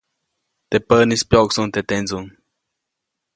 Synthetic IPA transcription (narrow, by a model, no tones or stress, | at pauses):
t̪epənispjoksuŋt̪et̪end͡zuŋ